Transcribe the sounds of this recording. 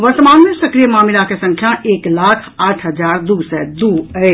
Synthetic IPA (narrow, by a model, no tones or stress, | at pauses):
ʋɐɾt̪əmaːnmesɐkɾijəmaːmɪlakesɐ̃ŋkʰjãʔeːklaːkʰaːʈʰɦəd͡ʒaːɾd̪uːsɛd̪uːəe